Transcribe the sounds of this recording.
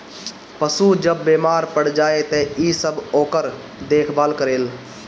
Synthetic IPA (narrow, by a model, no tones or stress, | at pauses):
pəsuːd͡ʒəbːeːmaːɾpəɽ̤d͡ʒaːet̪ɛiːsəboːkəɾ | d̪eːkʰbaːlkəɾeːl